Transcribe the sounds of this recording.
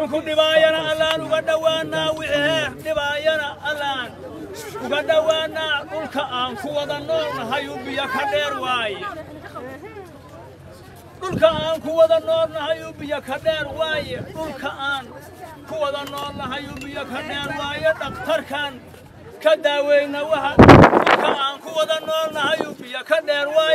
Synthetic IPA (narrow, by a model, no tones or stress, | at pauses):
ʊŋkʰʊɖɪβaːjɐnɐɐlaːnʊɣɐɖɐwaːnaːwɪħhɛːrɖɪβaːjɐnɐʔɐlaːn | ʊɣɐɖɐwaːnaːɖʊlkʰɐʔaːŋkʰʊwɐðɐnɔːrlɐɦɐjʊbɪjɐkʰɐɖɛːrwaːjɛ | ɖʊlkʰɐaːŋkʰʊwɐðɐnɔːlnɐhɐjʊbɪjɐkʰɐɖɛːrwɑːjɛɖʊlkʰɐʔaːn | kʰʊwɐðɐnɔːlnɐɦɐjʊbɪjɐkʰɐɖɛːɾwaːjɛɖɐft̪ʰɐrkʰɐn | kʰɐd̪aːwɛjnɐwɑhɐɗʊlkʰɐaːŋkʰʊwɐðɐnɔːlnɐɦɐjʊbɪjɐkʰɐɖɛːrwɑːj